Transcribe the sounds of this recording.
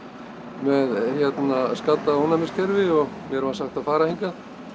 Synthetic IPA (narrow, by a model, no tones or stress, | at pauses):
mɛðhjɛt̪naskat̪ːaownamɪscʰɛɾvɪɔɣ | mjɛɾvasaxt̪aðfaːɾahiŋkað